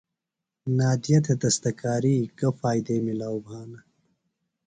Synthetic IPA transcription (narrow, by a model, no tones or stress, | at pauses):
naːd̪ijɐt̪ʰed̪ɐst̪ɐkaːɾiːkɐfaːjd̪eːmilaːwbʱaːnɐ